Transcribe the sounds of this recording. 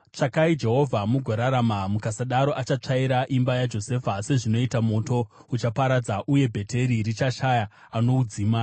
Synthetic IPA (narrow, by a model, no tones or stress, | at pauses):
t͡ʂakaid͡ʒe̞ɦo̞vʱamuɡʱeɾaɾamamukasaɗaɾo̞ʔat͡ʃat͡ʂaiɾaʔimbajad͡ʒo̞se̞fase̞ʐino̞itamoːto̞ | ut͡ʃapaɾad͡zaʔuje̞bʱe̞tʰe̞ɾirit͡ʃaʃajaː | no̞ud͡ziːma